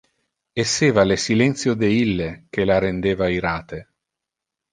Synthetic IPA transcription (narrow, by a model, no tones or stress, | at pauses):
esːeːvalesilɛnt̪sjod̪eilːek̟elaɾend̪eːvaiɾaːt̪e